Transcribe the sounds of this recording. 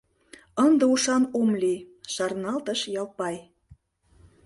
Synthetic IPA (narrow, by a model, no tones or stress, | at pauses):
ənd̪ə̆uʃɑnomlʲiʃɑrnɑlt̪ə̆ʃjɑlpɑj